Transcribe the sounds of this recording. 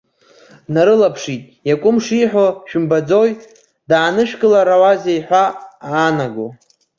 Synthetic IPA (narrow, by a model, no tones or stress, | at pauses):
naɾɨlapʰʂitʼ | jakʷʼʊmʂiħoʃᶣʊmbad͡zoj | daːnɨʃᶣɡʼɨlaɾawazejħʷᶣaaːnaɡo